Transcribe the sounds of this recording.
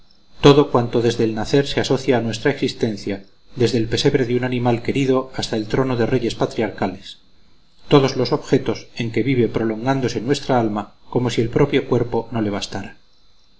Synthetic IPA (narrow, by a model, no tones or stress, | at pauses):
t̪o̞ðo̞kwant̪o̞ðe̞zðeːlnaθe̞ɾse̞aso̞θjaːnwe̞st̪ɾaeksist̪e̞nθja | ðe̞zðe̞ːlpe̞se̞βɾe̞ðunanĩmalke̞ɾiðo̞ast̪ae̞lt̪ɾo̞noðe̞re̞ʝe̞spat̪ɾiaɾkales | t̪o̞ð̞o̞zlo̞so̞βxe̞t̪o̞se̞ŋke̞βiβe̞pɾo̞lo̞ŋɡand̪o̞se̞nwe̞st̪ɾaalmako̞mo̞sie̞lpɾo̞pjo̞kwe̞ɾpo̞no̞le̞β̞ast̪aɾa